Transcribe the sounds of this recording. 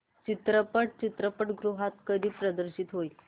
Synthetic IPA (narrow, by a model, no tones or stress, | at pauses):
t͡ɕit̪ɾəpəʈ̚t͡ɕit̪ɾəpəʈɡɾuɦat̪kəd̪ʱiːpɾəd̪əɾɕit̪ɦoi